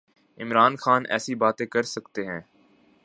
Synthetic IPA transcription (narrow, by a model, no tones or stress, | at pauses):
ɪmɾaːnxaːnʔɛ̰ːsibaːt̪ẽkɐɾsɐkt̪eɦɛ̃ː